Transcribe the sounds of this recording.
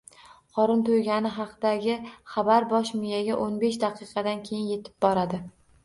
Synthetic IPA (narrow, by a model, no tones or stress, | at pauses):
qʰɒɾɪnt̪ʰojɡʲanɪɦɑqd̪aɡʲɪχɑbaɾbɒʃmʊjaɡʲaʔonbe̞ʃd̪ɑqʰɨqʰɑd̪ankʲʰejɪnje̞t̪ʰɪ̥b̚bɒɾad̪ɪ